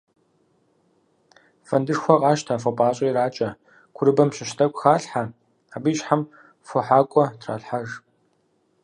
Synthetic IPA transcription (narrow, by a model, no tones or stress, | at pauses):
fɐndɨʂxʷɔqʼɑːʃtʰaːfɐpʼaːɕʼɐjɾaːt͡ʃʼɐ | kʷʰʊɾɨbɐmɕɪɕtʰɐkʷʼxaːɬħa | abiɕħam | fʷɔħaːkʷʼɔtʰra̰ːɬħaʐ